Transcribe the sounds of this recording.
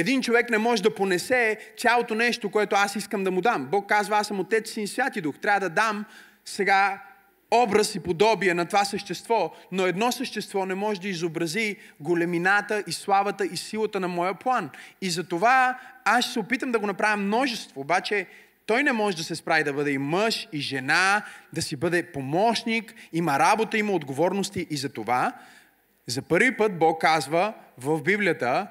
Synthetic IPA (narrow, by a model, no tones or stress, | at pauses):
ɛd̪int͡ʃovɛknɛmɔʒɛd̪ɐponɛsɛt̪sʲalˠot̪onɛʃt̪okoɛt̪oasiskəmd̪ɐmʊd̪ambɔkːazvɐasəmot̪ɛt̪siːsvʲjat̪id̪uxt̪ɾʲavəd̪ɐd̪am | sɛɡa | ɔbɾɐsipod̪ɔbiɛnɐt̪ovasəʃt̪ɛst̪vɔnoɛd̪nɔsəʃt̪ɛst̪vɔnɛmɔʒɛd̪ɐizobɾɐziɡolɛminat̪əʔislˠavɐt̪əʔisilˠɐət̪ənɐmɔjəplˠanizɐt̪ovaaʃsɛopit̪əmd̪ɐɡonɐpɾavʲimnɔʒɛst̪voːbat͡ʃɛ | t̪ɔjnɛmɔʒɛd̪ɐsɛspɾavʲid̪ɐbɤd̪ɛimɤʃiʒɛnad̪ɐsibɤd̪ɛpomɔʃnikimɐɾabot̪əimɐod̪ɡovɔɾnost̪iʔːzɐt̪ova | zɐpɤɾvipɤt̪̚bɔkːazvəvɐvbibliət̪ə